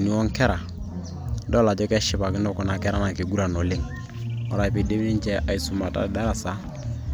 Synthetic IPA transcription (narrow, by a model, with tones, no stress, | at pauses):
ni˨˦wɔ˦ŋkɛ˦ɾa˨ | dɔ˦la˨d͡ʒɛ˦kɛ˦ʃɪ˨pa˨kɪ˦nɔ˦kɔ˦˨na˨kɛ˦ɾa˦na˨ke˨ɡu˦ɾa˨nɔ˨le˦ŋ | ɔ˨ɾa˨i˨pe˨de˦mi˦ni˦ɲ˦t͡ʃɛ˦ʔa˨i˨su˨ma˨ta̰˦˨da˦ɾa˨sa˨˦